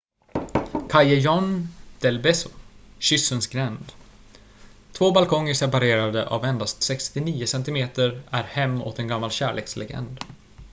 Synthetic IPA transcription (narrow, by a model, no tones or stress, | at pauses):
kʰajajɔnd̪̥ɛlbɛsʊɕʏsːənsɡɾɛnd̪ | t̪ʰvoːbalkʰɔŋːəʂɛpaɾeːɾad̪əʔa̰vɛnd̪ast̪sɛkst̪ɪniːʊsɛnt̪ɪmeːt̪əɾæɾhɛmːo̰ːt̪ɛnɡamːalɕæ̰ːɭḛːkslɛ̰ɡɛ̰nd̪